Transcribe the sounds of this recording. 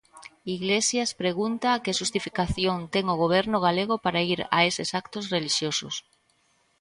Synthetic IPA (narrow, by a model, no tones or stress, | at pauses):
iɣlesjaspɾeɣunt̪aːkeʃust̪ifikaθjont̪eŋoɣoβ̞ɛɾnʊɣ̞aleɣ̞opaɾaiɾa̰esɪsakt̪osreliʃjoso̰s